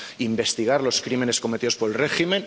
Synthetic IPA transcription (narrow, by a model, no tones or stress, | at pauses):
imbe̞st̪iɣ̞aɾlo̞skɾime̞ne̞sko̞me̞t̪iðopo̞ɾelre̞ximẽ̞n